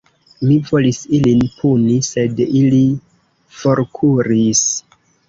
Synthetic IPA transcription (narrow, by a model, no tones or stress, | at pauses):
mivo̞lisilinpʰunise̞dili | fo̞ɾkʰuɾis